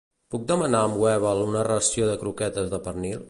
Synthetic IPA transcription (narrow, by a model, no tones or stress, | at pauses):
puk̚d̪əmənaəmwɛβəlˠunərəəsioðəkɾukɛt̪əzðəpəɾnilˠ